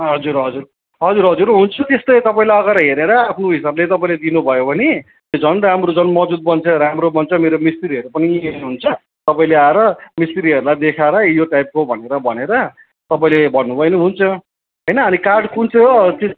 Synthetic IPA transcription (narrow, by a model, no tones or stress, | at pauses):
ɦʌd͡zuɾɦʌd͡zur | ɦʌd͡zuɾɦʌd͡zuɾɦunt͡sʰʌt̪est̪ʌjt̪ʌpaĩlaʌɡaɾʌɦeɾeɾʌapʰnoɦisablet̪ʌpaĩled̪inubʱʌjobʱʌne | jod͡zʌnramɾod͡zʌnmʌd͡zud̪̚bʌnt͡sʰʌɾamɾobʌnt͡sʰʌmeɾomist̪iɾiɦʌɾupʌnienɦunt͡sʰʌ | t̪ʌpaĩleaeɾʌmist̪ʌɾiɦʌɾulajd̪ekʰaɾʌjoʈajp̚kobʱʌneɾʌbʱʌneɾʌ | t̪ʌpaĩlebʱʌnːubʱʌjniɦunt͡sʰʌ | ɦʌjnʌːnikarɖkunt͡sʰot̪i